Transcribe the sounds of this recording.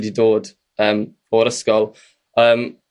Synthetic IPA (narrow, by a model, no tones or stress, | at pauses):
didoːd | əːm | ɔɾəskɔlˠ | əːm